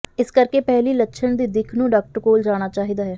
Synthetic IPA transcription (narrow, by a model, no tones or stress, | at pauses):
ɪskəɾkeːpɛɦliːlətʃʰəɳd̪iːd̪ɪkʰnũːɖaːk̚ʈəɾkoːld͡ʒaːɽ̃aːt͡ʃaːɦiːd̪aːɦɛː